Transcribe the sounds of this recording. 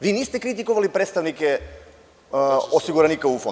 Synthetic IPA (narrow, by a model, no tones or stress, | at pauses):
ʋinist̪ɛkɾit̪ikoʋalipɾet̪st̪aʋnikɛ | osiɡuɾanikaufo